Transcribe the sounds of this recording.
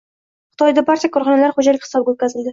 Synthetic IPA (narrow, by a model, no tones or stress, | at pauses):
χɨ̥t̪ʰɒjd̪abaɾt͡ʃʰakʰɒɾχɒnalaɾχod͡ʒalɪkʲhɪ̥sɒbɡʲaot̪kʲazɪld̪ɪ